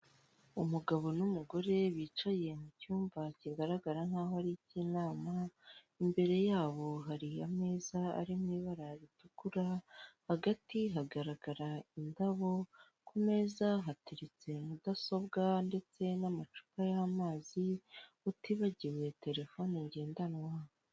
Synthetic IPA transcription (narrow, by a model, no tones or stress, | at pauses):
umuɡaβo̞numuɡo̞ɾe̞βiːt͡ʃaje̞mucuːmvaciɡaɾaɡaɾan̥haːɦoaɾiciːnaːma | imbe̞ɾe̞jaːβo̞ɦaɾiame̞ːzaa̰ɾimŋiːβaɾaɾitukuɾahaɡatiɦaɡaɾaɡaɾaindaβo̞ | kume̞ːzaɦatiɾit͡se̞mudaso̞βɡande̞t͡se̞namat͡ʃu̥kajamaːzi | utiβaɟiɾwe̞te̞ɾe̞fo̞neɲɟe̞ːndanwa